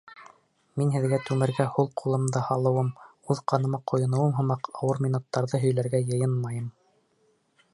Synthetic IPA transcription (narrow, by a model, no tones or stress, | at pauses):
minɦɘ̆ðɡæt̪ʉmɘ̆ɾɡæhulˠqʰulˠɤ̆md̪ɤhɑlˠɤ̆wɤmuðqɑnɤ̆mɑqʰŏjŏnɤ̆wɤmɦɤ̆mɑqɑwɤɾmʲinut̪ːɑɾðɤɦɵ̆jlæɾɡæjɤ̆jɤnmɑjɤm